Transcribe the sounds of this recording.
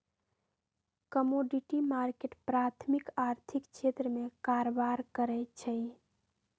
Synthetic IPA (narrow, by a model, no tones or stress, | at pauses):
kəmoɖiʈimaɾkeʈpɾat̪ʰmikaɾt̪ʰikʃʰet̪ɾəmẽkaɾobaɾkəɾɛt͡ʃʰəj